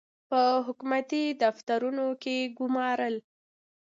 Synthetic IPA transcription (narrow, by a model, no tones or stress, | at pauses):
pəɦʊkumat̪id̪aft̪aɾunokeɡʊmɑɾəl